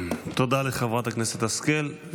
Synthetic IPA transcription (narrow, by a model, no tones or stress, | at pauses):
t̪od̪aleχevʁat̪akneset̪askel